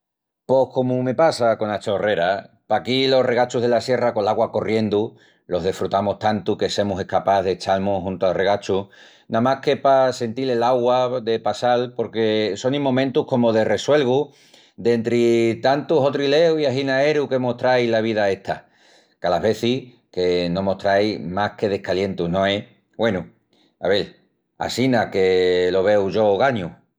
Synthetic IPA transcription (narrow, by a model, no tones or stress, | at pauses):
po̞hko̞mume̞pasako̞nat͡ʃore̞ɾa | pakilo̞re̞ɣat͡ʃuɦð̞e̞lasje̞rako̞laɣwako̞rje̞nd̪u | lo̞ɦð̞efɾut̪amoht̪ant̪uke̞se̞muse̞hkapaðet͡ʃalmoɦunt̪oare̞ɣ̞at͡ʃu | nãmahke̞pase̞nt̪ile̞laɣwaðe̞pasalpo̞ɾke̞so̞nĩmːõmẽnt̪uko̞moð̞e̞re̞swe̞lɣ̞u | d̪e̞nt̪ɾit̪ant̪uɦo̞t̪ɾile̞wiaɦinae̞ɾuke̞mo̞ht̪ɾajlaβ̞ið̞ae̞ht̪ʰa̰ | kalaɦβe̞θi | ke̞nõ̞moht̪ɾajmahke̞ð̞e̞hkalje̞nt̪unõ̞e̞ | we̞nu | a̰βe̞l | a̰sinake̞lo̞β̞e̞wʝo̞ɣaɲu